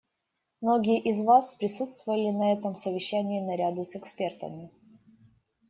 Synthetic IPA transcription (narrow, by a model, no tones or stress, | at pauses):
mnoɡʲɪjəʔɪzvaspɾʲɪsut̪st̪vʊvəlʲɪnɐɛt̪əmsəvʲɪɕːænʲɪːnɐɾʲad̪ʊsɛkspʲe̞rt̪ə̰mʲɪ